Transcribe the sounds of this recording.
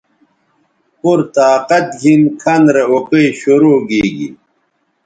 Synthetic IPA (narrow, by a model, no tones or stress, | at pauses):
puɾt̪aːqɐt̪̚ɡʱinkʰɐnɾeokeiɕuɾoːɡeːɡḭ